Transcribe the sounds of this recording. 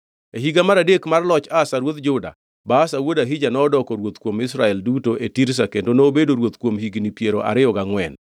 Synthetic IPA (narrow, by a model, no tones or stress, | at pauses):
eɦiɡamaɾadekmarlɔt͡ʃasaɾwot̪d͡ʒʊda̰ | basawodaɦid͡ʒanɔːdɔkɔɾwot̪kwomɪsɾaɛldutoʔetiɾs̬akendonoːbedoɾwot̪kwomhiɡnipjeɾoʔa̰ɾɪɔɡaŋwɛn